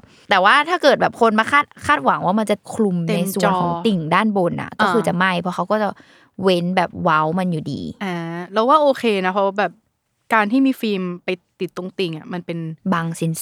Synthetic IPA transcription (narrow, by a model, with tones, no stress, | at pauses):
t̪ɛː˨˩waː˥˩t̪ʰaː˥˩kɤː˨˩t̪̚bɛː˨˩p̚kʰo˧nmaː˧kʰaː˥˩t̪̚kʰaː˥˩t̪̚wa˨˩˦ŋwaː˥˩ma˧nt͡ɕa˨˩kʰlu˧m˧na˧jsu˨t͡ɕənkʰɔː˩˦ŋt̪i˨˩ŋdaː˥˩nboː˧nʔa̰˨˩kɔː˥˩kʰɯː˧t͡ɕa˨˩ma˥˩jpʰɔ˧˥xʰa˦˥wkɔː˥˩t͡ɕa˨˩ | we˦˥nbɛː˨˩p̚wa˦˥wma˧njuː˨˩dḭː˧ʔaː˧˩lɛ˦˥waː˥˩ʔoː˧kʰeː˧na˦˥pʰɔ˦˥wa˥bɛː˨˩p̚ | kaː˧nt̪ʰiː˥˩miː˧fiː˧mpa˧jt̪i˨˩t̪ːo˧ŋt̪i˨˩ŋʔa˨˩ma˧npe˧nbaː˧ŋsi˦˥n